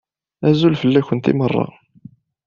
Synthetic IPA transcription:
æzulfəlːæçənt̪ḭmərˤːɑ̰

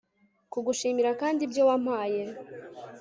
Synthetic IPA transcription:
kuɡuʃiːmiɾakaːndibjowam̥aːje

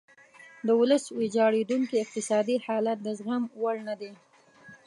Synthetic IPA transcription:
d̪əwʊləswed͡ʒɑɽed̪uŋkiɪq̚t̪ɪsɑd̪ihɑlat̪̚d̪əzɣamwaɽnad̪e

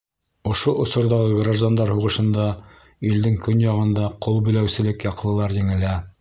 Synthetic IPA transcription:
ŏʃoʔŏsŏɾðɑʁɤɡraʒd̪and̪ɑɾhuʁɤ̆ʃɤ̆nd̪ɑ | ild̪ɘŋkɵnjɑʁɤ̆nd̪ɑqolˠbɵ̆læwsɘ̆lɘkjɑqlˠɤ̆lˠɑɾjɘ̆ŋæ̆læ

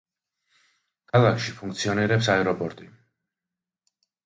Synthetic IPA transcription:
kʰalˠakʰʃipʰuŋk̚ʰt̪sʰiɔniɾɛpsaɛɾɔpʼɔɾt̪ʼi

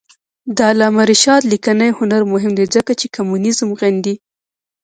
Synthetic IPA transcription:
d̪alɑmaɾiʃɑt̪likanajhʊnaɾmʊɦɪmd̪ezəkat͡ʃekamunɪzmɣand̪i

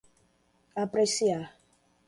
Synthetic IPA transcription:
apɾesia

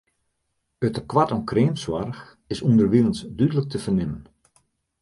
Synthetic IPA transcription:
ətəkwatɔnkreːmswarx | ɪsundərʋilən̩sdydələk̚təvərnɪmən

